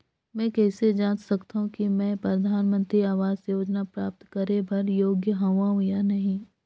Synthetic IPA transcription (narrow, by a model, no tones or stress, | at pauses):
mɛ̃ːkɛːsed͡ʒaːnsɐkt̪aɦũkimɛ̃ːpɾɐd̪ʱaːnmə̃nt̪ɾiaːʋaːzjoːd͡ʒnapɾaːp̚t̪kɐɾebʱɐɾjoːɡjəɦɐ̃ʋaɦʊjanɐɦĩː